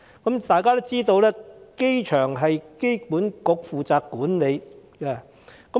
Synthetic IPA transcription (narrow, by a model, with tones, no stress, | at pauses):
kɐ˨˥mt̪aː˨jkaː˥t̪o˥wt͡siː˥t̪o˧wlɛː˥ke˥jt͡ʃʰœː˨˩ŋɦɐ˨jke˥jpuː˨˥nkʊ˨˧k̚fuː˨t͡saː˧kːuː˨˥nle˨˧jkaː˧ | kɐ˨˦